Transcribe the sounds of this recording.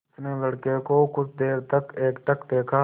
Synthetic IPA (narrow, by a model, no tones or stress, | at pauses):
sneːləɽkekoːkʊt͡ʃʰd̪eːɾt̪ɐkeːkʈ̪əkd̪eːkʰaː